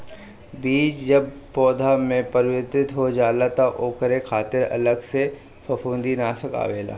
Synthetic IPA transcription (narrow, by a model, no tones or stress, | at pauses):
biːt͡ʃd͡ʒəb̚pɔːd̪ʱamẽpɐɾwət̪ɾɪt̪ɦod͡ʒaːlat̪aʔoːkəɾekʰaːt̪ɪɾɐ̰ləɡse | fʰɐfʰũːnd̪inaːsəka̰ːʋeːla̰ː